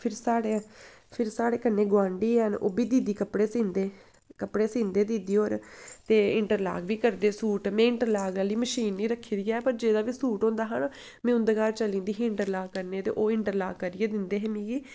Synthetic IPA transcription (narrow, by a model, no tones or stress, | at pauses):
pʰɪɾsaːɽeː | pʰɪɾsaːɽeːkənːeːɡwãːɳɖiːɦəno̰ːbiːd̪iːd̪iːkəpɽeːsĩːnd̪eː | kəpɽeːsĩːnd̪eːd̪iːd̪iːoːɾt̪eːɪɳʈəɾla̰ːɡʋiːkəɾd̪eːsuːʈmẽːɪɳʈəɾlaːɡaːliːməʃiːnːiːɾəkʰːiːd̪ijaːpəɾd͡ʒeːd̪aːʋiːsuːʈõːnd̪aːɦən | mɛ̃ːʊ̃nd̪eːkaːɾt͡ʃəlĩːnd̪iːɦĩɪɳʈəɾlaːɡkəɾneːt̪ḛːʔoːɪɳʈəɾla̰ːɡkəɾɪeːd̪ɪnd̪eːɦeːmĩːɡiː